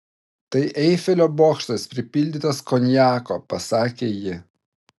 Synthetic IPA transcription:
t̪ɐɪʔɛɪfʲɛlʲoːboːkʃt̪ɐspʲɾʲɪpʲɪlʲd̪ʲɪt̪ɐskɔnʲjæːko̰pɐsɑːkʲeːjɪ

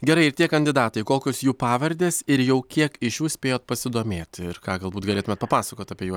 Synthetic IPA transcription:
ɡʲɛɾɐɪɪɾt̪ʲiɛkɐnʲd̪ʲɪd̪ɑːt̪ɐɪkoːkʲosjuːpɑːʋɐɾʲd̪ʲeːsɪɾjɛʊkʲiɛkɪʃjuːsʲpʲeːjoːt̪pɐsʲɪd̪oːmʲeːt̪ʲɪɾkɑːɡɐlˠbuːt̪ɡɐlʲeːt̪ʊmʲɛt̪pɐpɑːsɐkoːt̪ɐːpʲiɛjuɔs

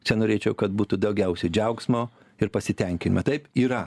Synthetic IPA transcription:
t͡ʃʲɛnoːɾʲeːt͡ʃʲɛʊkɐt̪̚buːt̪ʊd̪ɐʊɡʲɛʊsʲɛɪd͡ʒʲɛʊksmoː | ɪɾpɐsʲɪt̪ʲɛŋʲkʲɪnʲɪmɐt̪ɐɪpiːɾɐ

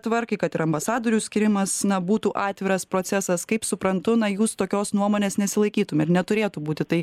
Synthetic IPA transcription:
t̪ʋɐɾkɐɪkɐt̪ɪɾɐmbɐsɑːd̪oːɾʲuːsʲkʲiɾʲɪmɐsnɐbuːt̪uːʔɑːt̪ʲʋʲɪɾɐspɾoːt̪sʲɛsɐskɐɪpsʊpɾɐnt̪ʊnɐjuːst̪oːkʲoːsnuɔmoːnʲeːsnʲɛsʲɪlˠɐɪkʲiːt̪ʊmʲɪɾnʲɛt̪ʊɾʲeːt̪ubuːt̪ʲɪt̪ɐɪ

